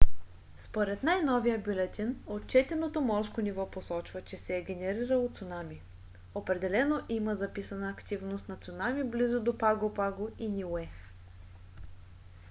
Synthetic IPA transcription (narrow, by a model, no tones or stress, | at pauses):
spoɾɛt̪najnɔvijəbʲilʲɛt̪ʲinot̪̚t͡ʃɛt̪ɛnot̪omɔɾskonivɔposɔt͡ʃvət͡ʃɛsɛːɡʲɛnɛɾiɾəlˠot̪sonami | opɾɛd̪ɛlɛnoʔiməzɐpisənəːkt̪ivnost̪nɐt̪sʊnamiblizod̪opaɡopaɡoinʲiwɛ